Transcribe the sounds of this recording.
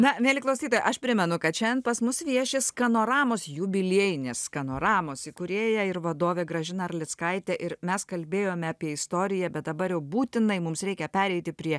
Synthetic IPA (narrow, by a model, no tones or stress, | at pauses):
nɐʋʲeːlʲɪklˠɐʊsʲiːt̪oːjʔɐʃpʲɾʲɪmʲɛnʊkɐt̪t͡ʃʲɛnpɐsmʊsʋʲiɛʃʲɪskɐnoːɾɑːmoːsjʊbʲɪlʲeɛjɪnʲeːskɐnoːɾɑːmoːsɪkʊɾʲeːjɛɪɾʋɐd̪oːʋʲeːɡɾɐʒʲɪnɐɐrlʲɪt̪skɐɪt̪ʲɛʔɪɾmʲɛskɐlʲbʲeːjoːmʲɛɑːpʲiɛɪst̪oːɾʲɪjɛbʲɛt̪̚d̪ɐbɐɾjɛʊbuːt̪ʲɪnɐɪmʊmsɾʲɛɪkʲɛpʲæːɾʲɛɪt̪ʲɪpʲɾʲiɛ